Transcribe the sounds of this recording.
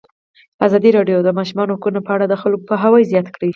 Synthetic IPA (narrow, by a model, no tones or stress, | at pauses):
azɑd̪iɾɑɖjod̪əmɑʃumɑnokunapəaɽad̪əxalɡopəɦawɑjzjɑt̪kɽi